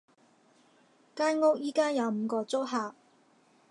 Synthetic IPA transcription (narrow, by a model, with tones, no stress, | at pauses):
kaː˥nŋʊ˥k̚jiː˥kaː˥jɐ˨˧wm̩˨˧kɔː˧t͡sʊ˥k̚ɦaː˨˩